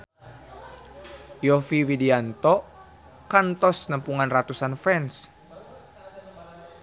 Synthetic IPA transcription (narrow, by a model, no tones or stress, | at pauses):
jɔfiwidiant̪ɔ | kant̪ɔsnəmpuŋanrat̪usanfɛns